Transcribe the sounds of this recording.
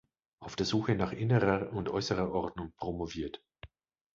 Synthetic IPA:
ʔaʊfd̥eːɐzuːxənaːχʔɪnəʁɐʊntʔɔ̰ʏsəʁɐʔɔʁdnʊŋpʁ̥omoviːɐt

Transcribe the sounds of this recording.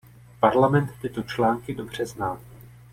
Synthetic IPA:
paɾlamɛnt̪ːɪt̪o̞t͡ʃlaːŋkɪdo̞br̝ɛznaː

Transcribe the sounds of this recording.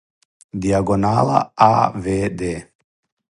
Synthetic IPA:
diaɡɔnala̰aːvɛːdɛː

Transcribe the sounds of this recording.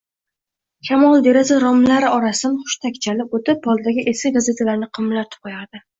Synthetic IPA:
kʲʰamɒlˠd̪eɾazaɾɒmlaɾɪɒɾasɪd̪anχʊ̥ʃt̪ʰakʲt͡ʃʰalɪpot̪ɪp̚bɒlˠd̪aɡʲɪʔesʲɪɡaze̞t̪ʰalaɾnɪqʰɨmlaɾt̪ʰʊ̥p̚qʰojaɾd̪ɪ

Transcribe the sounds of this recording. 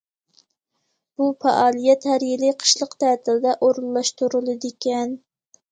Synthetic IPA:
b̥ufɑ̰ʔɑːlˠijɛt̪hæɾjɪlɪqʰə̥ʃlˠəqt̪ʰæːt̪ʰɪld̪ɛʔoɾulˠːɑʃt̪uɾɨlˠɨd̪ɪkʲɛn

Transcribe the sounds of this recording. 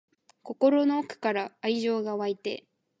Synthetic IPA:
ko̞ko̞ɾo̞no̞ːkɯ̟̥kaɾaːiʑo̞ːɡaβait̪e̞̰

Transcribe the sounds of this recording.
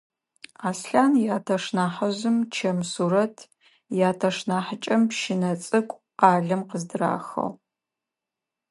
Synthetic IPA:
aːsɬaːnjaːtʰɐʂnaːħɐzɨmt͡ʃʰɐmsuɾɐtʰ | jaːtʰɐʂnaːħət͡ʃʼɐmpʃɪnɐt͡sʼɨkʷʼ | aːɮɐmqəzdɨɾa̰ːxɐ̰ʁ

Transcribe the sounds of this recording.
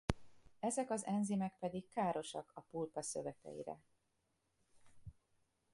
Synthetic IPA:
ɛzɛkɒzɛnzimɛk̚pɛd̪ikːaːɾo̞ʃɒkɒpulpɒsø̰vɛkɛ̰jḭɾɛ̰

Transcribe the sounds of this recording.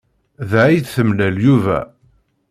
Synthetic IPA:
ðʕijθθəmlæljuvæ̰

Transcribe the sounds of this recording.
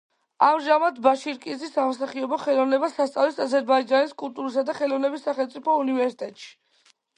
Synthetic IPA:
amʒamad̪baʃiɾkʼizisamɔsaχiɔbɔχɛlˠɔvnɛbasast̪sʼavlisazɛɾbaid͡ʒaniskʼulˠt̪ʼuɾisad̪aχɛlɔvnɛbisːaχɛlmt̪sʼipʰɔunivɛɾsi̥t̪ʼɛt̪ʼʃi̥

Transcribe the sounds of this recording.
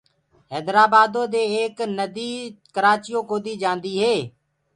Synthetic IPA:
ɦɛːd̪ɾaːbaːd̪õːd̪eːeːknəd̪iːkəɾaːt͡ʃɪjõːkoːd̪iːd͡ʒãːnd̪iːɦeː

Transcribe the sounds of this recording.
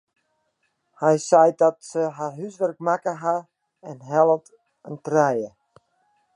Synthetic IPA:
hɛjsɛjdɔtsəɦarɦysʋɛrk̚makəɦa | ɛnɦɛlˠət | əntrɛjə

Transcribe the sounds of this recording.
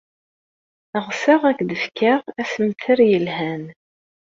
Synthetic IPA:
əʁsaʁækd̪əfkaʁæsəmθəɾjəlhæn

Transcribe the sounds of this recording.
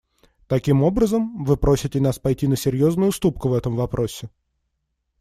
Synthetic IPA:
t̪ɐkʲimo̞bɾəzəmvɨpɾʔosʲɪtʲɪnaspɐjtʲinəsʲɪɾʲjo̞znʊjʊst̪upkʊvɛt̪əmvɐpɾʔo̞sʲːɪ

